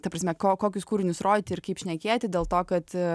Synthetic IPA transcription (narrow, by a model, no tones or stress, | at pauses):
t̪ɐpɾɐsʲmʲɛkoːkoːkʲʊskuːɾʲɪnʲʊsroːd̪ʲɪt̪ʲɪɪɾkɐɪpʃʲnʲɛkʲeːtʲɪdʲeːlˠt̪oːkɐt̪